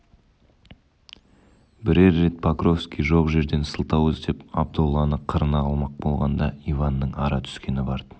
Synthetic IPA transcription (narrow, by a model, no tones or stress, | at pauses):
bɪɾeɾːe̞t̪̚pʰakro̞fskʲijʒo̞qʒe̞ɾd̪e̞nsəlˠt̪ɑwəzd̪e̞pɑ̰b̚d̪olˠːɑnəqʰəɾənɑːlˠmɑq̚bo̞lˠʁɑnd̪ɑivɑnːəɴɑɾɑt̪ʰʏ̥skʲe̞nɪbɑɾd̪ə